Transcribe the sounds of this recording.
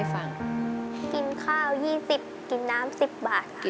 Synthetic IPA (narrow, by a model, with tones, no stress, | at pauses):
fa˨˩ŋ | ki˨nkʰaː˥˩wjiː˥˩si˨˩p̚ki˨˩nːaː˦˥msi˨˩p̚baː˨˩t̪̚